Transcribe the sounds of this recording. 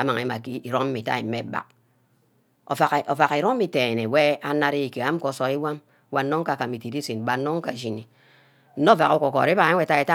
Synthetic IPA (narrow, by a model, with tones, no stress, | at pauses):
a˨˦ma˨ŋ˨i˨˦ma˨ki˦i˨ɾo˦m̩˦i˨ta̰˦i˨˦me˦ba̰˨k̚ | o̰˨fa˨ko˨va˨ki˨ɾo˦i˨te˨ne˨we˦a˦na˦ɾi˦i˨ke˨a˦m̩˦ko˨˦so˨i˦wa˦m˦ | wa˨˦nːo˦ŋ˦ka˨ka˨mi˨ti˨di˦si˨n˨ba˨˦no˦ŋ˦ka˨ʒi˦˨ni˨ | n̩˦no˦va˨ku˦ko˨ko̰˨ɾi˦ba˨˦ŋʷe˨˦ta˦e˨ta˦